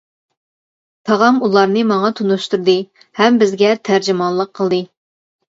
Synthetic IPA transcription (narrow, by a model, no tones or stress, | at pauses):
t̪ʰɑʁɑmulˠɑɾnɨmɑŋɑt̪ʰunuʃt̪uɾd̪ɨ | hɛmbɪzɡʲɛt̪ʰæɾd͡ʒɪmɑnlˠəqʰːəlˠd̪ɨ